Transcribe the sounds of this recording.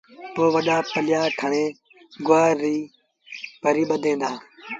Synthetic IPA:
t̪oːʋəɗaːpəlɪjaːʈʰəɳeː | ɡʊaːɾːiː | pəɾiːɓəd̪ʱẽːnd̪aː

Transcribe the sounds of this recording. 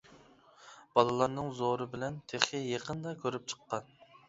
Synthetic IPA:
b̥ɑlˠɨlˠɑɾnɨŋzoɾɨbɪlɛnt̪ʰeχɪjeqənd̪ɑkʲʰøɾyp̚t͡ʃʰə̥qːɑn

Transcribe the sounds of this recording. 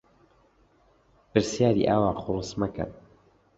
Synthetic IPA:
pɨɾsjaːɾḭʔaːwaːχʊlɨsmɐkɐ̰n

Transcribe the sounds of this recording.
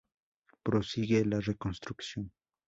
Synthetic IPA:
pɾosiɡelarekonst̪ɾuksjoŋ

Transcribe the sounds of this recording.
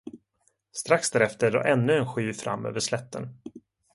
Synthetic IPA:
st̪ɾaksd̪æːɾɛft̪əɖo̰ːʔɛnːɵɛnɧyːfɾa̰mːø̰ːvəʂlɛt̪ːən

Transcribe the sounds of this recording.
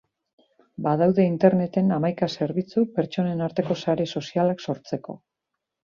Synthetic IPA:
bað̞awðe̞int̪e̞ɾne̞t̪e̞namajkase̞ɾβit͡supe̞ɾt͡ʃo̞ne̞naɾt̪e̞ko̞saɾe̞so̞sialakso̞ɾt͡se̞ko̞̰

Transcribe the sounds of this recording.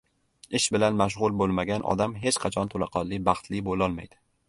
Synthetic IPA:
ɪʃbɪlanmaʃ̬ʁʊlˠbolˠmaɡʲanʔɒ̰d̪amɦe̞t͡ʃqʰɑt͡ʃʰɒnt̪ʰolɑ̰qʰɒlːɪbɑχt̪lɪbolɒlˠmajd̪̥ɪ

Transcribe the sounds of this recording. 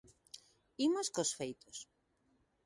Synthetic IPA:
imoskosfejt̪os

